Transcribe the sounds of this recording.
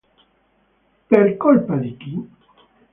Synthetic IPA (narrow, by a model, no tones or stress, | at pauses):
peɾkolpad̪it̪i